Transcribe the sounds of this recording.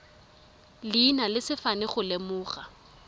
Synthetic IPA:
lɪːnalɪsɪfanɪχʊlemʊːχa̰

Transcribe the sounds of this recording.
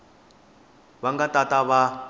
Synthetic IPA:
βaŋɡatataβa

